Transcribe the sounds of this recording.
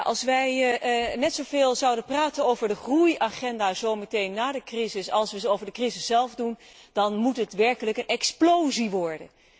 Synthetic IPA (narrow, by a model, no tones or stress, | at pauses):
ʔɑ̰lˠsʋɛjnɛtsowvɪːlˠzɑwdənpraːtənowvəɹdəχrujaχɛndaːzowmətejnːaːdəkrizɪsɑlˠsʋəzəowvəɹdəkrizɪsːɛlˠvdun | d̥ɑnmutɦətʋɛɹkələkənɛksplowziʋɔɹdən